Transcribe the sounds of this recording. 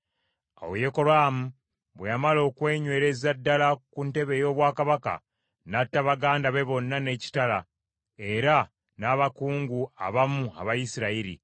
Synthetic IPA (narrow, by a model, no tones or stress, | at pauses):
a̰wejeko̞ɾaːmu | βwejamalo̞ːkwe̞ːɲwe̞ːɾe̞zadːalakunte̞βe̞jo̞ːβwaːkaβaka̰ | natːaβaɡaːndaβe̞βo̞nːane̞ːci̥tala | e̞ɾa | naːβakuːŋɡua̰βamua̰βajisiɾaiɾḭ